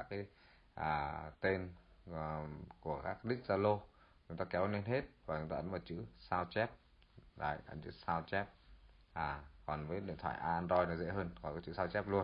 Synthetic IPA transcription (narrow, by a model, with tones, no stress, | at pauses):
a˦˥kːaː˨˦j | ʔaː˨˩t̪e˧n | ku˧˩əkaː˦˥k̚ɗï˦˥k̟̚zaː˧lo˧ | t͡ɕʊ˨˦ŋ͡mt̪aː˧kɛ˨˦wne˧nɦe˦˥t̚vaː˨˩t͡ɕʊ˨˦ŋ͡mt̪aː˧˨˦mɔ˨˩t̚t͡ɕɨ̰˧˥saː˧wt͡ɕɛ˦˥p̚ | ɗa̰ː˨˩jʔə̰˧˦nt͡ɕɨ̰˧˥saː˧wt͡ɕɛ˦˥p̚ | ʔaː˨˩kɔ˨˩nvəː˨˦jɗḭ˧ət̪ʰa̰ː˧˨ʔaː˧ʔa˧ndɾɔ˧jnɔ˨˦zḛ˧˥ɦəː˧nkɔ˨˩kɔ˨˦t͡ɕɨ̰˧˥saː˧wt͡ɕɛ˦˥p̚lu˧ən